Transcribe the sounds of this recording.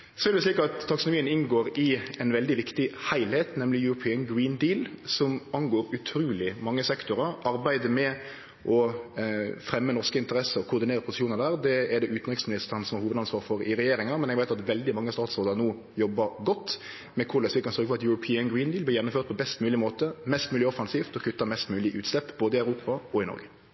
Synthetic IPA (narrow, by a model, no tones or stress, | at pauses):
sɔɛɾd̪ɛsliːkɑt̪ʰːɑksʊnʊmiːənɪnɡoːɾɪɛnʋɛld̪ɪʋɪkt̪ɪhæɪlhɛːt̪nɛmlɪjʉɾʊpʰiːənɡɾiːnd̪iːlsɔmɑnɡoːɾʉt̪ʰɾuːlɪmɑŋːəsɛkt̪ʊɾəɾɑɾbæɪd̪əmɛ | ʔɔ | fɾɛmːənɔʁskəɪnt̪əɾɛsəɔkʰʊɾd̪ɪneːɾəpʰʊsɪ̥ʃuːnəɾd̪æːʁd̪ɛɛɾd̪ɛʔʉːt̪nʁɪksmɪnɪst̪əɾənsɔmɑɾhuːʋəd̪ɑnsʋɑːɾfɔɾɪɾɛjeːɾɪŋɑmɛnɛɡʋæɪt̪ɑt̪ʋɛld̪ɪmɑŋːəst̪ɑːt̪sʁoːd̪ənuː | jɔbːɑɾɡɔt̪ː | mɛkʰʊɾlɛsfɪkɑnsœɾɡəfɔʁɑt̪jʉɾʊpʰiːənɡɾiːnd̪iːlblɪjɛnːʊmføːʁt̪̚pʰɔbɛst̪mʉːlɪmoːt̪əmɛst̪mʉːlɪɔfɑnsiːft̪ɔkʰʉt̪ːɑmɛst̪mʉːlɪʔʉːt̪slɛpːboːd̪əɪœʉɾuːpɑɔɪnɔ̰ɾɡə